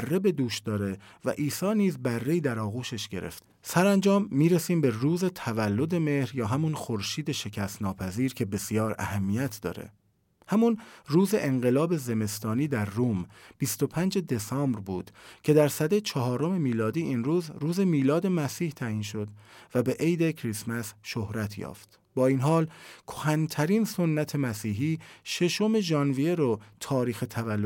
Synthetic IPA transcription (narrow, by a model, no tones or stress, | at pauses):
ærːe̞be̞d̪uːʃd̪ɒːɾe̞væ̰ʔiːsɒːniːzbærːe̞iːd̪æɾɒːɣuːʃe̞ʃɟe̞ɾe̞̰ft̪ | sæɾænd͡ʒɒːmːiːɾesiːmbe̞ruːze̞t̪ʰævælːo̞d̪e̞me̞hɾjɒːɦæmunxo̞ɾʃiːd̪e̞ʃe̞cʰæst̪nɒːpʰæziːɾkcʰe̞be̞sijɒːɾæ̰hæmːijæt̪ʰd̪ɒ̰ːɾḛ | hæmunruːze̞ʔeŋɢe̞lɒːbe̞ze̞me̞st̪ɒːniːd̪æɾːuːmb̥ist̪o̞pʰænd͡ʒe̞d̪e̞sɒːmbɾbuːd̪̥cʰe̞d̪æɾsæd̪et͡ʃʰɒɦɒːɾo̞me̞miːlɒːd̪iːʔinruːzɾuːze̞miːlɒːd̪e̞mæsiːht̪ʰæiːnʃo̞d̪væbe̞ʔejd̪ekʰɾismæsʃohɾæt̪ʰjɒ̰ːft̪ | b̥ɒːiːnɦɒːlkʰohænt̪ʰæɾiːnso̞nːæt̪ʰe̞mæsiːɦiːʃe̞ʃome̞ʒɒːnvijeɾot̪ʰɒːɾiːxet̪ʰævælːo